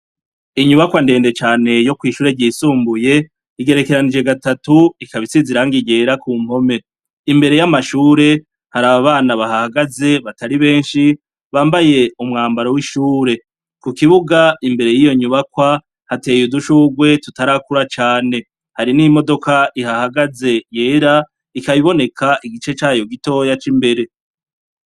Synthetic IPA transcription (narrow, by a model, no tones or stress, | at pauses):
iɲuβakwande̞ːnde̞t͡ʃaːne̞jo̞kwiːʃuːɾeɟiːsuːmbuje̞ | iɡe̞ɾe̞ke̞ɾanid͡ʒe̞ɡatatuikaβisiziɾaŋɡiɡe̞ːɾakuːm̥ho̞me̞ | imbe̞ɾe̞jamaʃuːɾe̞ | haɾaβaβaːnaβahahaɡaze̞βataɾiβe̞ːnʃi | βaːmbaje̞umŋaːmbaɾowiʃuːɾe̞ | kukiβuɡaimbe̞ɾe̞jijo̞ɲuβakwa | hate̞ːjuduʃuːɡwe̞tutaɾakuɾat͡ʃaːne̞ | haɾinimo̞do̞kaʔihahaɡaze̞jeːɾa | ikaβiβo̞ne̞kʰaʔiɡit͡ʃe̞t͡ʃaːjo̞ɡito̞jat͡ʃimbe̞ɾe̞